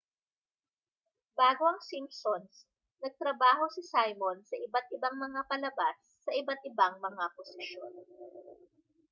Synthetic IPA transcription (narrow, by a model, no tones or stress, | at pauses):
baːɡo̞ɐŋsimpsons | nɐɡ̚t̪ɾɐbaːɦo̞sɪsajmonsɐʔɪbat̪̚ʔɪbaŋmɐŋapɐlɐbasːɐʔɪbat̪̚ʔɪbaŋmɐŋaposɪʃjon